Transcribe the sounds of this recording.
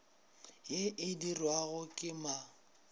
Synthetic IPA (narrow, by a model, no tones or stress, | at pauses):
jeʔɪdirwaɣʊkʼɪma